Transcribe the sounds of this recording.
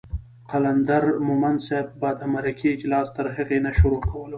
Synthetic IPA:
qaland̪aɾmʊmanseb̚ːɑd̪amaɾikiɪd͡ʒlɑst̪əɾɦaɣenaʃʊɾokʰawəlo

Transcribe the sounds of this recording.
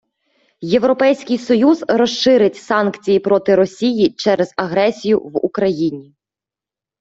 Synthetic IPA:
je̞wɾɔpɛjsʲkʲɪjsɔjuzɾɔʃɪɾɪtʲsɑnkt͡sʲijipɾɔt̪ɪɾɔsʲijit͡ʃɛɾɛzɐɦɾɛsʲijʊ̰ʋṵkɾɐjinʲi

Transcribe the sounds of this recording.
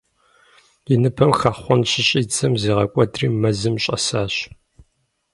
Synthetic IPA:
ɪnɨpʰɐmxɐχχʷɔnɕɪɕʼiːt͡sʰɐmziːʁɐkʷʼɔdriːmɐzɨmɕʼɐ̰saːɕ

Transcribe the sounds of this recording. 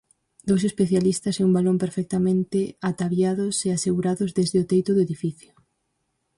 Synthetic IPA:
d̪owsespeθjalist̪ɐseumbalompeɾfɛk̚t̪amẽnt̪ɪat̪aβjaðʊseaseɣuɾaðʊzðezðɪʊt̪ejt̪ʊðʊeðifiθjʊ

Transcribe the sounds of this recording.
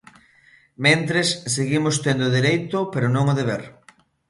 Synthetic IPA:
mẽnt̪ɾesseɣimʊst̪end̪ʊðiɾejt̪ʊpeɾʊnõŋʊðeβeɾ

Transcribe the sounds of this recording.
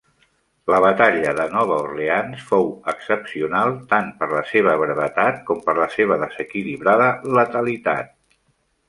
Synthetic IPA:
ləβ̞ət̪aʎəðənɔβ̞əurleansfowəksəpsiunalˠt̪anpəɾləseβ̞əβɾəβət̪at̪̚kɔmpəɾləseβ̞əðəzəkiliβɾaðələt̪əlit̪a̰t̪̚

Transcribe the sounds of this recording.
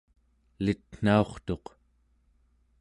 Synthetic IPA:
lit̪n̥ao̞χt̪o̞q

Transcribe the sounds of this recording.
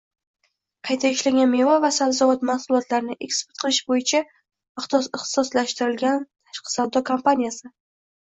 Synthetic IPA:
qʰɑjt̪ʰaɪʃlaɡʲanmevavasawzɒvɒt̪mahsʊlˠɒt̪laɾnɪʔe̞kspe̥t̪̚qʰɨlˠɪʃbojɪt͡ʃʰa | ɪχt̪sɪχt̪ɪ̥sɒslaʃt̪ɪɾɪlɡʲant̪ʰaʃqɨ̥sawd̪ɒkʰompanijasɪ

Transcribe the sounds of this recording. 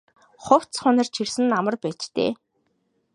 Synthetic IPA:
χʊw̥t͡st͡sχʊnə̆rt͡ɕʰirsɘ̆nːamə̆rpæːt͡ɕt̪ḛː

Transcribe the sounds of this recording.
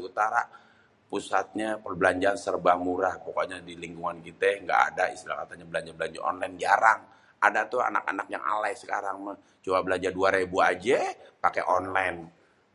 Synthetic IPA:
ut̪aɾa | pusat̪̚ɲapərbəlaɲd͡ʒaansərbamuɾahpokaɲadiliŋɡuŋankit̪ɛŋɡa̰a̰daḭst̪ilakat̪aɲabəlaɲd͡ʒabəlaɲd͡ʒa̰ʔɔ̰nlajnd͡ʒaɾaŋ | adat̪ʊa̰na̰ka̰nak̚ja̰ŋʔa̰lajsə̥ka̰ɾaŋma | t͡ʃobabəlaɲd͡ʒarduaɾebuad͡ʒɛpakeʔɔnlan

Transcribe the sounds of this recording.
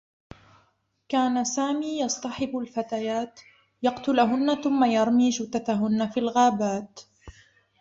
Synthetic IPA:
kaːnasaːmiːjɑsˤt̪ˤɑħɪbalfat̪ajaːt̪ | jɑqt̪ʊlɦʊnːaθʊmːajɑɾˤmiːd͡ʒʊt̪at̪aɦʊnːafilɣaːbaːt̪

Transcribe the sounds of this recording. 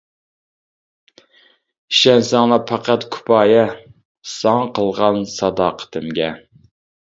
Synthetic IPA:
iʃɛnsæŋlɑpʰɑqʰæt̪kʰu̥pʰɑːjɛ | sɑŋqʰəlˠʁɑnsɑd̪ɑːqʰə̥t̪ʰɪmɡʲɛ

